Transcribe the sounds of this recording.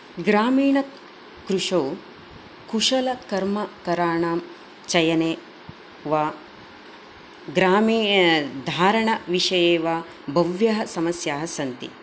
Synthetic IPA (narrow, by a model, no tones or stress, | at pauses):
ɡɾaːmiːɳɐ | kɾuʂɐw | kuʂɐlɐkɐɾmɐkɐɾaːɳaːm | t͡ʃɐjɐneː | ʋaː | ɡɾaːmiːd̪ʱaːɾɐɳɐʋiʂɐjeːʋaː | bʱɐʋjɐɦɐsɐmɐsjaːɦɐsɐnt̪ḭ